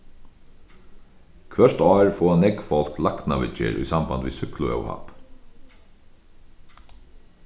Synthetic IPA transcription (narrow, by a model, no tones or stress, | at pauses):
kʰʋœʂt̪ɔːɹfɔːanɛkfɔl̥klakt̪naʋɪ̰t͡ʃɪ̰ɾʔṵjsamband̪ʋḭːsʏklʊœ̰wha̰p